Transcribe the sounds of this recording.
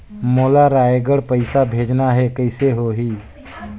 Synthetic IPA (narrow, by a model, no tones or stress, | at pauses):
moːlaɾaːeɡəɽpəɪsabʱeːd͡ʒnaɦɛkəɪseɦoɦiː